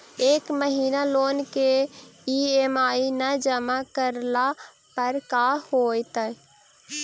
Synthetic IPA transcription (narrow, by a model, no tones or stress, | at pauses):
eːkməɦiːnaloːnkeiemaːinəd͡ʒəmakəɾla | pəɾkaːhoːt̪ə